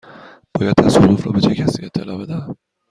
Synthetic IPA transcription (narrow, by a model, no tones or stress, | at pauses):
b̥ɒːjæd̪̚t̪ʰæsoluːfɾɒːbet͡ʃʰecʰæsiet̪ʰːelɒːbed̪æ